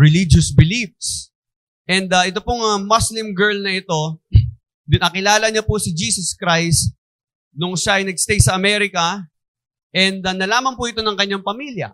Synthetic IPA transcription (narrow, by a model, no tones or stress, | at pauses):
ɹɛlid͡ʒosbɪlifs | ʔɛnd̪ɐʔɪt̪o̞pʊŋɐmoslɪmɡɛɹlnɐʔɪt̪o̞ | d̪ʊnɐkɪlaːlɐɲapʊsɪd͡ʒiːsɐskɾajst̪̚ | nʊŋʃaʔɐjnɐɡ̚st̪ejsɐɐmɛɾɪkɐ | ʔɛnd̪ɐnɐlaːmɐnpʊʔɪt̪o̞nɐŋkɐɲːaŋpɐmiljɐ̰